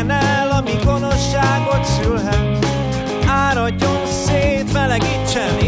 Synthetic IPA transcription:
nɛlɒmiɡo̞no̞ʃːaːɡo̞t̪sylɦɛt̪ | aːɾɒɟːonseːt̪mɛlɛɡit͡ʃːɛni

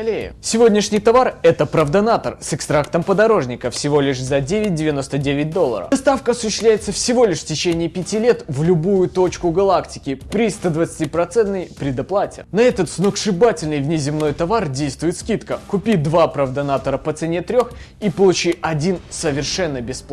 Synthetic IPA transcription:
lʲejɪ̰sʲɪvo̞dʲnʲɪʂnʲɪjt̪ɐvarɛt̪əpɾəvd̪ɐnat̪ərsɨkst̪ɾakt̪əmpəd̪ɐɾo̞ʐnʲɪkəfsʲɪvo̞lʲɪʂzɐdʲevʲɪt̚ʲdʲɪvʲɪno̞st̪ədʲevʲɪt̚ʲd̪o̞lˠːə̰ɾə̰ɐst̪afkəɐsʊɕɪːslʲæjɪt̪səfsʲɪvo̞lʲɪʂftʲɪt͡ɕenʲɪːpʲɪtʲilʲe̞t̪vlʲʊbujʊt̪o̞t͡ɕkʊɡɐlˠaktʲɪ̥kʲɪpɾʲist̪ɐd̪vət̪sɨ̥tʲipɾɐt̪sɛnt̪nəjpɾʲɪd̪ɐplˠatʲɪ̰nɐɛt̪ət̪snokʂɨbatʲɪlʲnɨjvnʲɪzʲɪmnojt̪ɐvardʲejst̪vʊjɪt̪skʲit̪kəkʊpʲid̪vapɾəvd̪ɐnat̪əɾəpət̪sɨnʲet̪ɾʲox | ipəlˠʊt͡ɕiɐdʲinsəvʲɪrʂɛnːəbʲɪsp̪ˠ

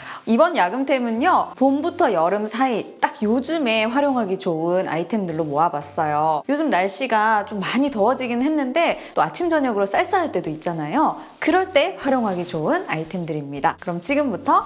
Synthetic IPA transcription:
ibʌnjaɡɯmt͈e̞muɲopombutʰʌjʌɾɯmsʰait͈ak̚jod͡ʑɯme̞ɸwaɾjoŋɦaɡit͡ɕoɯna̰itʰe̞mdɯɭːomoabas͈ʌjojod͡ʑɯmnaɭɕ͈iɡat͡ɕomːaɲitʌʌd͡ʑiɡinɯnɦenːɯnde̞t͈oat͡ɕʰimd͡ʑʌɲʌɡɯɾos͈aɭs͈aɾɦaɭt͈e̞doit̚t͡ɕ͈anajo | kɯɾʌɭt͈e̞ɸwaɾjoŋɦaɡit͡ɕoɯnaitʰe̞mdɯɾimɲidakɯɾʌmt͡ɕiɡɯmbutʰʌ

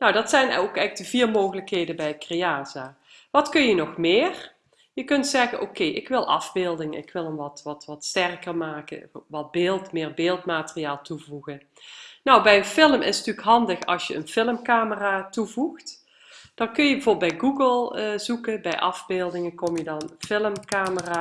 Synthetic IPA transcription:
nowdɑtsɛjnokɛdəviːɹmowɣələkɦejdənbɛjəkrejaːzaː | ʋɑtkɵnjənɔxmɪːr | jəkɵntsɛɣənʔokejʔɪkʋɪlˠʔɑ̰vbɪːlˠdɪŋnɪ̰kʋɪlˠənʋɑtʋɑtʋɑtstɛrkərmaːkə̰ʋɑd̚bɪːlˠtmɪːɹbɪːlˠtmaːtərijaːlˠtuvuɣən | nɔwbɛjənfɪləmʔɪsntyːkɦɑndəxɑ̰lˠsjəə̰nfɪləmkaːməraːtuvuxt | d̥ɑnkɵnjəbəvoːbəlˠbɛjɡuɡəlˠəzukəbɛjʔɑvbeːlˠdɪŋəkɔmjədɑnfɪləmkaːməraː

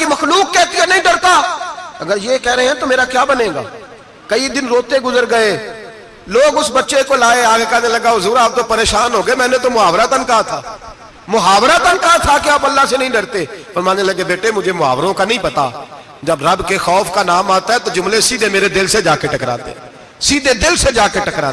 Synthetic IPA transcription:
kiməxluːkːɛːt̪ijanɐɦĩɖəɾt̪aːɐɡəɾjeːkɛɦɾəɦeɦɛ̃ːt̪oːmeːɾakjaːbənẽːɡa̰ː | kəid̪ɪnɾoːt̪eɡʊzəɾɡəeː | loːɡʊsbətːʃekoːlaːeaːkekɛneləɡaːʊzuːɾaːp̚t̪opəɾeːʃaːnɦoːɡəemɛ̃ːnet̪omʊɦaːʋɾat̪ənkaat̪ʰaː | mʊɦaːʋɾaːt̪ənkaat̪ʰaːkeaːpəlːasenɐɦĩːɖəɾt̪eːfəɾmaːeləɡeːbeːʈemʊd͡ʒʱemʊɦa̰ːʋɾõkanɐɦĩːpət̪a̰ː | d͡ʒəbɾɐbkexɔːfʰkaːnaːmaːt̪aɦɛːt̪od͡ʒʊmlesiːd̪emeːɾed̪ɪlsed͡ʒaːkeʈəkɾa̰ːt̪ḛ̃ | siːd̪ed̪ɪlsed͡ʒaːkeʈəkɾaː

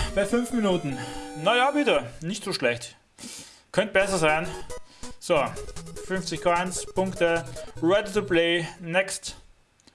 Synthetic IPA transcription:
b̥aɪfʏnfminuːtn̩najaːbɪtənɪçtz̥oːʃlɛçt | kʰœnt̚b̥ɛsɐzaɪn | z̥ofʏnft͡sɪçkʰaaɪnspʰʊŋktəʁɛdətupleɪnɛkst

